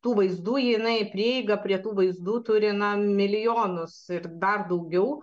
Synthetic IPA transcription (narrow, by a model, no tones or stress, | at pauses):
t̪uːʋɐɪzd̪uːjɪnɐɪpʲɾʲiɛɛɪɡɐpʲɾʲiɛt̪uːʋɐɪzd̪uːt̪ʊɾʲɪnɐmʲɪlʲɪjoːnʊsɪrd̪ɐrd̪ɐʊɡʲɛʊ